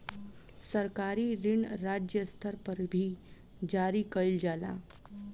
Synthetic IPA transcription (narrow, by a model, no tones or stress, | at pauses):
səɾkaɾiːɾiɳɾad͡ʒjəst̪ʰəɾpəɾbʱiː | d͡ʒaɾiːkəjld͡ʒala̰